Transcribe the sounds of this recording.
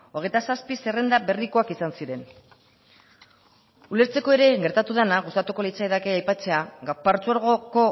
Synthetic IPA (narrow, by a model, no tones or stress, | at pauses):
o̞ɣe̞jt̪asaspise̞re̞nd̪aβe̞riko̞akisansiɾe̞n | ule̞ɾt͡se̞ko̞e̞ɾe̞ɣe̞ɾt̪at̪uðanaɣust̪at̪uko̞lit͡saeðakeajpat͡se̞aɣapart͡suaɾɣ̞o̞ko̞